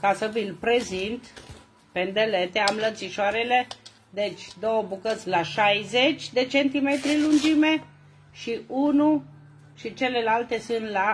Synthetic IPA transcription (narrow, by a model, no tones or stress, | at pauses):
kasəvilpɾe̞zint̪ | pend̪e̞le̞t̪e̞amlənt̪siʃoaɾele̞ | d̪e̞t͡ʃʲd̪o̞wəbukət̪sʲlaʃajzet͡ʃʲd̪e̞t͡ʃe̞nt̪ime̞t̪ɾilund͡ʒime̞ | ʃiunu | ʃit͡ʃe̞le̞lalt̪e̞sɨnt̪la